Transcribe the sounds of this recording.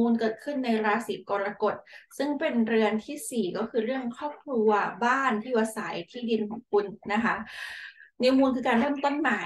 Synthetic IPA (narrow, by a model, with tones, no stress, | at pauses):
uː˧nkɤː˨˩t̪̚kʰɯ˥˩nːa˧jɾaː˧siː˩˦p̚kɔː˧ɾlaː˧ko˨˩t̪̚sɯ˥˩ŋpe˧nɾɯ˧ənt̪ʰiː˥˩siː˨˩kɔː˥˩kʰɯː˧ɾɯ˥˩əŋkʰɾɔː˥˩p̚kʰlu˧ɐbaː˥˩nt̪ʰiː˥˩waː˧sa˩˦jt̪ʰiː˥˩di˧nkʰɔː˨˩˦ŋkʰu˧nna˦˥kʰa˦˥ʔ | ni˦˥muː˧nkʰɯː˧kaː˧nɾɤː˥˩mt̪o˥˩nmaː˩˦